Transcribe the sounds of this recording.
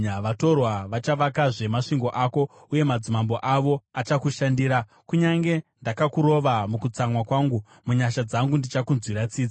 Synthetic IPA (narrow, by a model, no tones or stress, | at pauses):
ʋato̞rwaʋat͡ʃaʋakaʐe̞maʂiŋɡo̞ʔako̞ | uje̞mad͡zimambo̞ʔaʋo̞at͡ʃakuʃandiːɾa | kuɲaŋɡe̞ndakakuɾo̞ʋamukut͡samwakwaːŋɡu | muɲaʃad͡zaŋɡundit͡ʃakunzwiɾat͡siːd͡za